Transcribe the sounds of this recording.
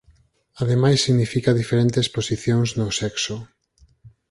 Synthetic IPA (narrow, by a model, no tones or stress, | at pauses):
aðemajsːiɣnifikaðifeɾẽnt̪esposiθjoŋznosɛkso